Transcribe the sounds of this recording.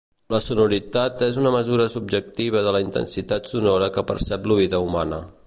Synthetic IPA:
ləsunuɾit̪at̪ezunəməzuɾəsub̚d͡ʒək̚t̪iβ̞əðələint̪ə̰nsit̪at̪sunɔɾəkəpə̰ɾsɛpluβiðəumanə

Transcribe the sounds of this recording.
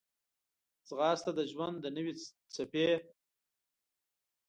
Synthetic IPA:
t͡sɣɑːst̪ad̪əʒwand̪ːənəwe | t͡sape

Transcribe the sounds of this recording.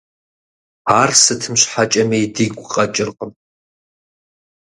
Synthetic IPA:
aːrsɨtʰɨmɕħat͡ʃʼɐmeːdiːɡʷʼqʼɐt͡ʃʼɪrqʼəm

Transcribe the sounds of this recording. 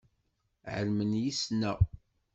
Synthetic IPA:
ʕə̰lmənjisnæ

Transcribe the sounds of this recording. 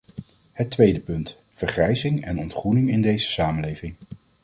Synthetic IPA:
hətʋejdəpɵnt | fəɹχrɛjzɪŋɛnɔntχrunɪŋɪndejzə̥saːmənlejvɪŋ

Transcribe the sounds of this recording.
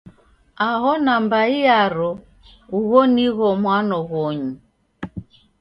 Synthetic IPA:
aɦɔnambaiaɾɔ | uβɔniɣɔmwanɔɣɔɲu

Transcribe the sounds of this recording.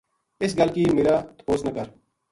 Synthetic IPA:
ɪsɡəlkiːmeːɾaːt̪poːznəkəɾ

